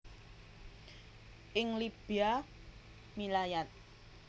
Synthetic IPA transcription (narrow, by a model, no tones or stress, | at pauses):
ʔɪŋlib̥ia | milajat̪̚